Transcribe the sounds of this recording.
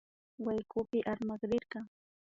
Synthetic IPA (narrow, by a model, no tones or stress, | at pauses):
wajkʊpɪʔaɾmɑɢɾɪɾɢɑŋ